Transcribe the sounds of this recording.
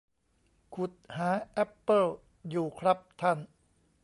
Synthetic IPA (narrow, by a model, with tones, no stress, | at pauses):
kʰu˨˩t̪̚haː˩˦ʔɛ˦˥pːɤ˥˩l | juː˨˩kʰɾa˦˥p̚t̪ʰa˥˩n